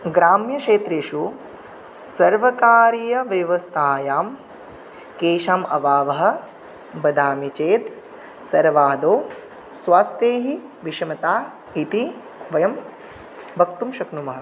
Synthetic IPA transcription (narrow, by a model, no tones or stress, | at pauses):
ɡɾaːmjɐkʂeːt̪ɾeːʃu | sɐɾʋɐkaːɾijɐʋjɐʋɐst̪ʰaːjaːm | keːʃaːmɐʋaːʋɐɦɐ̆ | bɐd̪aːmit͡ʃeːt̪ | sɐɾʋaːd̪oː | sʋaːst̪eːɦiʋiʃɐmɐt̪aː | it̪i | ʋɐjɐm | bʱɐkt̪umʃɐknumɐɦɐ̆